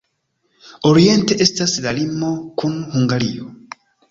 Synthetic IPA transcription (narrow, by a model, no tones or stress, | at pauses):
o̞ɾie̞nte̞ʔe̞staslalimo̞kunhuŋɡaɾio